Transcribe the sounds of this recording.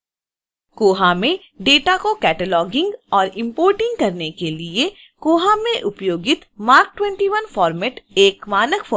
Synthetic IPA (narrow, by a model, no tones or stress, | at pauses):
koːɦamẽ | ɖeːʈakokɛːʈəlɔːɡɪ̃ŋɡɔːɾɪ̃mpoːɾʈɪ̃ŋɡ̚kɐɾnekelie | koːɦamẽʔʊpjoːɡɪt̪maːɾk̚ʈwɛ̃ːɳʈiʋənfɔːɾmɛʈeːkmaːnəkfʰoː